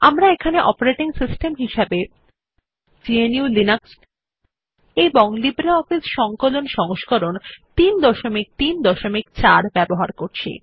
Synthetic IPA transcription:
amɾaekʰaneʔɔ̰poɾeʈiŋsisʈemɦiʃabe | d͡ʑieniulinaks | ejboŋlibɾeɔfisʃɔŋkolonʃɔŋoʃkoɾont̪ind̪ɔʃomik̚t̪ind̪ɔʃomikt͡ɕaɾbɛboɦaɾkoɾt͡ɕʰḭ

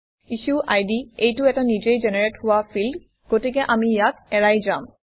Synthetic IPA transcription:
isuʔajdiejtʊɛtanid͡ʒejd͡ʒɛnɛɹethʊwapʰild | ɡ̥otik̬ɛʔamijak̚ɛɹajzam

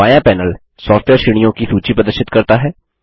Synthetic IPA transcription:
aːjãːpɛːnəl | sɔːfʈʰʋɛːɾʃɪɽ̃ijõːkisuːt͡ʃiːpɾəd̪əɾʃɪt̪kəɾt̪aːɦɛː

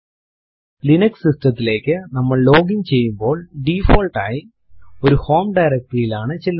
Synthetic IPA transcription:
linɐksisʈrɐt̪ːile̞ːkːɨnɐmːɐɭloːɡiɲt͡ɕe̞jːumbo̞ːɭɖiːfoːlʈaːji | oɾuhoːmɖɐjɾɐk̚ʈɐjilaːɳɨt͡ɕilː

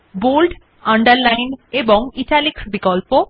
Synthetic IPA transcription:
bolɖ | ɐ̃ɳɖəɾlajnebɔŋiʈaliksbikɔlpo

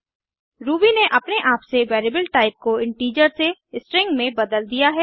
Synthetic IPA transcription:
ɾuːbineʔɐpneʔaːpseʋɛːɾibəlʈaːɪp̚koɪ̃ɳʈiːd͡ʒəɾsesʈɾɪ̃ŋɡmẽbɐd̪əld̪ijaɦɛː

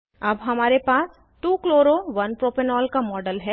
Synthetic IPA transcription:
ɐbɦɐmaːɾepaːs | t̪uːkloːɾoʋɐnpɾoːpenɔːlkamɔːɖəlɦɛː

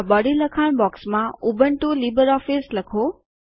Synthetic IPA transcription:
bɔːɽilɐkʰaɽ̃bɔːksmãʊbəɳʈuliːbəɾɔːfislɐkʰoː

